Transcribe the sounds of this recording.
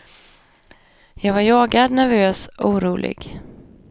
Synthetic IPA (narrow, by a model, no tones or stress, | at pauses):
jɑːɡvaɾjɑːɡad̪næɾvøːsuːɾuːlʔɪ̰ɡ̥